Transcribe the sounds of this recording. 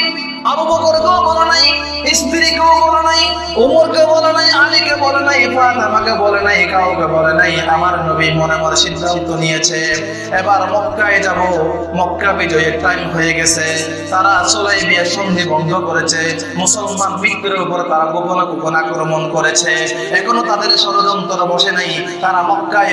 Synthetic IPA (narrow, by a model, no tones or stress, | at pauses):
aɾubɔkɔɾkawbɔlɔnaĩ | isb̪iɾikawbɔlenaĩ | umoɾkebɔlenaĩamikebɔlenaj̃ebat̪amakebɔlenaj̃ekawkebɔlenaĩamaɾnɔbimɔnɛmaɾsid̪ʱːaɦit̪ɔnijet͡ʃʰe | ɛbaɾmɔkːaed͡ʒabo | mɔkːabid͡ʒɔjekajmɦɔjeɡɛsʰe | t̪aɾasɔlajbiaʃɔnd͡ʒʱibɔnd̪ʱɔkɔɾet͡ʃʰe | musɔlmanbik̪̚ːiɾeupɔɾet̪aɾaɡobɔlɔkopɔnaɡɾɔmɔnkɔɾet͡ʃʰeː | kʰɔnot̪ad̪eɾsɔɾɔd͡ʒ̪ɔnt̪ɔɾɔbɔʃenaĩ | t̪aɾamɔkːa